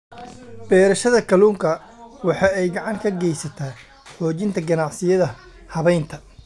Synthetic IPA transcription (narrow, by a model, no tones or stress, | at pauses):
b̥ɛːɾɐʃɐðɐkʰɐluːŋkʰɐ | wɑħɑːɛjɡɑʕɑŋkʰɐɡɛjsɐt̪ʰaː | ħɔːt͡ʃɪnt̪ʰɐɡɐnɑʕsɪjɐðɐ | hɐβɛjnt̪ʰɐ